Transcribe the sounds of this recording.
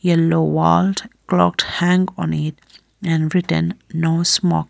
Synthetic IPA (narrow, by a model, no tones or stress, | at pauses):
jɛlowaldklɔ̰k̚thæ̃ŋɔ̰̃nɪt | ɛ̃nɹɪtə̰̃nːosmɔ̰k